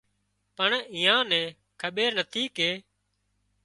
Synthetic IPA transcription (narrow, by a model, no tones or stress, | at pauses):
pəɳɪ̃ːãːnɛ̃ː | kʰəɓeːɾnət̪ʰiːkeː